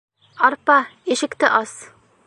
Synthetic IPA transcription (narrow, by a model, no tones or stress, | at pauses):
ɑɾpɑeʃɘ̆kt̪ɘʔɑs